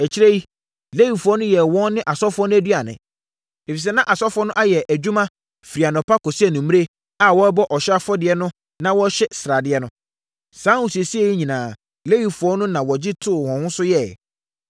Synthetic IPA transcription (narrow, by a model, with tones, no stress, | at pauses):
ɛ˨t͡ɕʰɪ˦ɾæ˦ji˦ | le˦wi˨fu˨ɔ˦nʊ̃˦jɛ˨wɔ̃˦n˦nɪ̃˦ʔa˨sɔ˦fʊ˦ɔ˦nʊ̃˦æ˦dɥa˨nɪ̰̃˨ | e˨fi˨s̬ɛ˦nã˦ʔa˨sɔ˦fʊ˨ɔ˦nʊ̃˦ʔa˦jɛ˨ʔæ˨d͡ʑᶣu˦mã˦ | fi˨ɾi˨a˨nɔ̃˨pʰa˦kɔ˨si˦æ˨nũ˨m˦e˦ | a˨wɔ˦bɔ˦ʔɔ˨ɕa˦fɔ˦dɪ˨ɛ˦nʊ̃˦ | nã˦wɔ˦ɕɛ˦sɾa˨dɪ˨˦ɛ˦nʊ̃˦ | sãː˦u˨si˨e˨si˦e˦ji˦ɲĩ˨nãː˨ | le˦wi˨fu˨ɔ˦nʊ̃˦nã˨wɔ˨d͡ʑɪ˦tʰʊ˦ʊ˨hɔ̃˨hʊ̃˦sʊ˦jɛ˦˨